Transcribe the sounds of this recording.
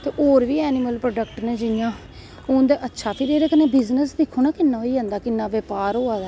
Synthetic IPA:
t̪eːʔoːɾʋiːɛːnɪməlpɾoːɖəkʈnẽːd͡ʒɪjãː | õːnd̪eːʔətːʃʰaːpʰɪɾeːɾeːkənẽːbɪznəsd̪ɪkʰːoːnaːkɪnːãːoiːd͡ʒãːnd̪aːkɪnːãːʋeːpaːɾɦoːaːd̪aː

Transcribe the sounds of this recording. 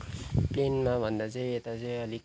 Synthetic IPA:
plenmabʱʌnd̪at͡sʌj̃et̪at͡sʌj̃ʌli

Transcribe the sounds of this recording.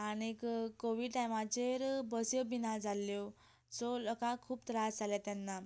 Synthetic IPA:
añekkːoʋiɖʈajmat͡ɕeɾbəsjɔbinad͡zaljɔ | soləkakʰuːpt̪ɾad͡zd͡zʱaljat̪janːa

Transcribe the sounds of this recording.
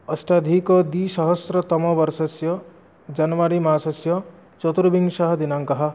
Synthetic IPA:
ʌsʈad̪ʱikɔd̪iʃɔɦɔsɾɔt̪ɔmɔbʌɾsɔsjɔ | d͡ʒanʋaɾimasɔsjɔ | t͡ʃɔt̪uɾubiŋɡʃaɦɐd̪inaŋkɐɦa

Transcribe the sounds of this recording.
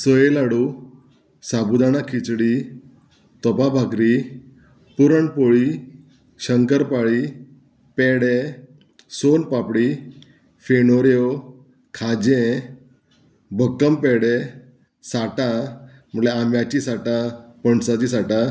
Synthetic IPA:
səjelaɽu | sabud̪añakʰit͡sɽi | t̪ɔpabʱakɾi | puɾəɳpoɭi | ɕəŋkəɾpaɭi | pɛɽe | sonpapɽi | fenoɾjo | kʰad͡ʑẽ | bʱəkːəmpɛɽe | saʈa | m̤əʈleamjat͡ɕisaʈapəɳɖsat͡ɕisaʈa

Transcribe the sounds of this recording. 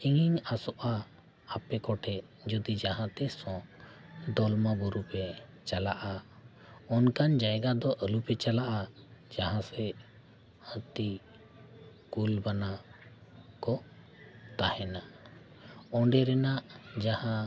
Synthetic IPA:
t͡ʃiŋiɲasɔʔaː | pɛkɔʈʰɛʔ | d͡ʒɔd̪id͡ʒaɦãt̪ɛsɔ̃ | d̪ɔlmabɔɾupɛ | t͡ʃalaʔa | ɔnkand͡ʒajɡad̪ɔʔəlupɛt͡ʃalaʔad͡ʒaɦãsɛ | hə̃t̪i | kulbana | kɔ | t̪ahɛna | ɔ̃ɖɛɾɛnaʔd͡ʒahã

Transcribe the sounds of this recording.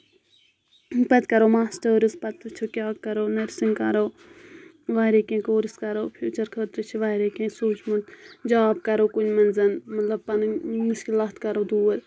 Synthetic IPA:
pɐt̪kɐɾoːmaːsʈəːɾispɐt̪ɨt͡ʃʰokʲjaːkɐɾoːnɐɾsiŋkɐ̰ɾoː | ʋaːɾekẽːkoːɾiskɐɾoːpʰuːt͡ʃɐɾkʰəːt̪ɾɨt͡ʃʰiʋaːɾekẽːsuːt͡ʃʰmɐnt̪d͡ʒaːbkɐɾoːkunmɐnzɐnmɐt̪lɐb̚pɐnmɨskʲilɐt̪kɐɾoːd̪uːɐt̪

